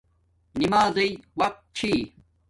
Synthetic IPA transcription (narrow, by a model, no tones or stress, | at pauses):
nimaːzɐjwɐq̚t̪̚t͡ɕʰi